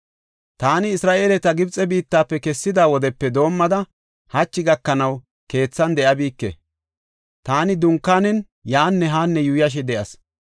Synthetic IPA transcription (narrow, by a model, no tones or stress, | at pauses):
t̪aːnɪːsɾaːʔeːlɛt̪ɐɡɪbt͡sʼɛbiːt̪ːaːpːɛkɛsːɪd̪aːwɔd̪ɛpːɛd̪o̞ːmːɐd̪ɐ | hɐt͡ʃːɪɡɐkːɐnɐw | ke̞ːt͡sːɐnd̪ɛʔɐbiːkːɛ̰ | t̪aːnɪd̪ʊŋkːaːnɛn | jaːnːɛɦaːnːɛjʊjɐʃ̬ɛd̪ɛʔɐs